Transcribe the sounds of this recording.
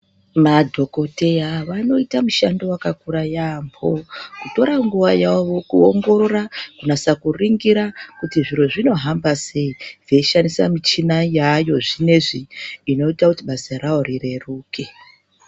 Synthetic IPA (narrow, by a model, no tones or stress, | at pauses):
madʱo̞ko̞te̞aʋano̞itamuʃandowakakuɾajaːmbo̞kuto̞ɾaŋɡuʋajaʋo̞kuoŋɡo̞ɾo̞rakunasakuriŋɡiɾakutiʐiɾoʐino̞ɦambase̞id͡zeiʃanisa̰mit͡ʃinajajo̞ʐine̞ʐiːno̞itakutiɓasaɾaorire̞ruːke